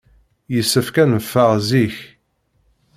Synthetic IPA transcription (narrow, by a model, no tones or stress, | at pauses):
jəsːəfkænəfːəʁziç